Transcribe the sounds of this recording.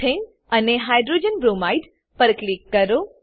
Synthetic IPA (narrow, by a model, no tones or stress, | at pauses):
en | əneɦajɖɾod͡ʒənbɾumajɖ | pəɾklikːəɾo